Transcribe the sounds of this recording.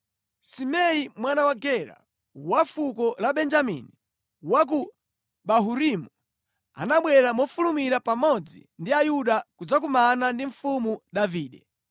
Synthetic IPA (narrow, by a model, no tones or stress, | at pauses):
simɛimwanawaɡɛɾa̰ | wafukɔlaɓɛnd͡ʒamḭni | wak̬u | ɓaɦuɾimu | a̰naɓwɛɾamɔfulumiɾapamɔd͡zḭndiajuɗakud͡zak̬umanandiɱ̩fumuɗaviːɗɛ